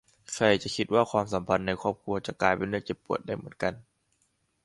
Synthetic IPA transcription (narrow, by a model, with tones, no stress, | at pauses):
kʰa˧˩jt͡ɕa˨˩kʰi˦t̪̚waː˥˩kʰwaː˧ms̬a˩˦mpʰa˧nːa˧jkʰɔː˥˩p̚kʰu˧ɐt͡ɕa˨˩klaː˧jpe˧nːɯ˥˩ət͡ɕe˨˩pːu˨˩ət̪̚da˥˩jmɯ˩˦ənka˧n